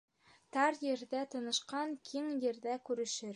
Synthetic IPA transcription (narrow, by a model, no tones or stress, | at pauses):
t̪ɑɾjɘ̆ɾðæt̪ɤ̆nɤ̆ʃqɑŋkʰiŋjɘ̆ɾðækʉɾɘ̆ʃɘɾ